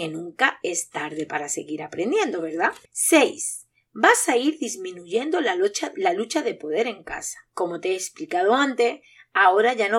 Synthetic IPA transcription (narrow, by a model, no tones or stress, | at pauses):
enũŋkae̞st̪aɾðe̞paɾase̞̰ɣiɾapɾe̞nd̪jẽ̞nd̪o̞βe̞ɾðase̞js | basaiɾðizmĩnuʝe̞nd̪o̞aalalut͡ʃaðe̞po̞ðe̞ɾe̞ŋka̰sḁko̞mo̞t̪eeːsplikaðo̞ant̪e̞ | ao̞ɾaʝano